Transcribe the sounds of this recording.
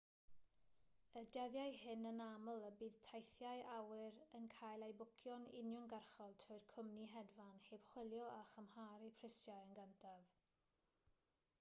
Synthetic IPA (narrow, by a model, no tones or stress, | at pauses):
ədɛðjajhɪnənamlˠəbiːð̥tʰajθjajʔawɪɾənkʰaːjlˠejbʊkʰjɔnɪ̰njʊŋɡarχɔlˠtʰroːɨr̥kʰʊmniɦɛdvanheːb̥χwɪlˠjɔaχəmhaːɾipʰrɪsjajənɡantʰav